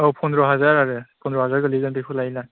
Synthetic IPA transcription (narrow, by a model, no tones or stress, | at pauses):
awpʰɔnɾɔɦazaɾaɾɯpʰɔnɾɔɦazaɾɡɯliɡantɯpʰulajla